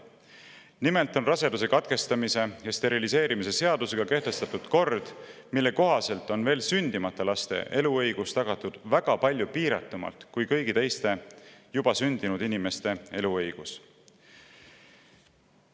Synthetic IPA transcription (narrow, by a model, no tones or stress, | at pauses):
nimelt̪ˑo̞nrɑse̞d̪use̞kɑt̪̚ke̞st̪ɑmise̞jɑst̪e̞ɾilise̞ːɾimise̞se̞ɑd̪̥use̞ɡ̥ɑke̞ht̪e̞st̪ɑt̪ːˑud̪̥ko̞rd̪̥milːe̞ko̞ɦɑse̞lt̪ˑo̞nve̞ːlsynʲd̪̥imɑt̪ːˑɑlɑst̪e̞̰ʔe̞luɤjɡ̥ust̪ɑɡ̥ɑt̪ːˑud̪̥væɡ̥ɑpɑlʲjupiːɾɑ̰t̪ːˑumɑ̰lt̪kujkɤjɡ̥it̪e̞jst̪e̞jub̥ɑsynʲd̪̥inud̪̥inime̞st̪e̞e̞luɤjɡ̥us